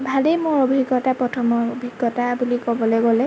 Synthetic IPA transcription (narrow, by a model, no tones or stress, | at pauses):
bʱalejmʊɹobʱiɡːɔtapɹɔtʰɔmɔobʱiɡːɔtabulikɔbɔlojɡɔlɛ